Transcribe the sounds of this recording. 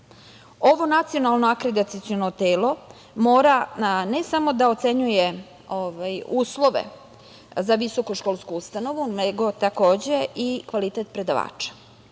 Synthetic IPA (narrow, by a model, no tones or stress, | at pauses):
oʋo̞nat̪sio̞nalˠno̞akɾed̪at̪sit̪sionot̪eːlo̞ | moːɾanesamo̞d̪ao̞t̪se̞ɲuje | oʋajuːslˠo̞ʋḛ | zaʋiso̞koʃkolˠskuust̪ano̞ʋuneɡo̞t̪ako̞ːd͡ʑe̞ikʋalit̪et̪pɾe̞d̪aʋa̰ːt͡ʃḁ